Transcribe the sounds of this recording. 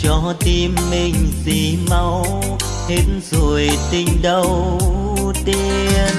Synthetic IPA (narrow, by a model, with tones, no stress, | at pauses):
t͡ɕɔ˧˦t̪i˧mːi˧˩ŋ̟zḭ˧˨˩ma˧w | he˨˦˥tnzo˨˩jt̪ï˧˩ŋ̟ɗə˧w | t̪i˧ | əən